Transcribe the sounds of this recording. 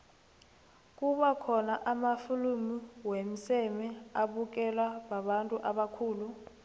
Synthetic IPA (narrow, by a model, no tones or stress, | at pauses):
k̬ʼuɓakʰɔnaʔamafulumiwem̩sɛmɛaɓuk̬ɛlaɓaɓantʼuʔaɓakʰuːlu